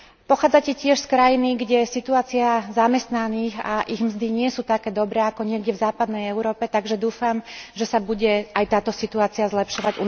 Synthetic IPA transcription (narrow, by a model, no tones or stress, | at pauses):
pɔxaːd͡zacɛcɪɛʃskɾajiniɡɟɛsit̪uaːt͡siazamɛst̪naniːɣa̰ʔiɣmzd̪iɲɪɛsuːt̪akɛːd̪ɔbɾɛːakɔɲɪɛɡɟɛvzaːpad̪nɛjɛʊɾɔːpɛt̪aɡʒɛd̪uːfamʒɛsabuɟɛajt̪aːt̪ɔsit̪uaːt͡siazlɛpʃɔʋaɟu